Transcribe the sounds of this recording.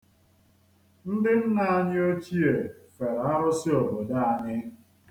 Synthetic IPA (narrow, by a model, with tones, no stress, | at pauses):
n̩˦dɪ˦m̩˦na˦a˦ɲɪ˦o˦t͡ʃi˦e˨fe˨ɾa˦ɾʊ˦sɪ˦o˨bo˨da˦a˨ɲɪ˦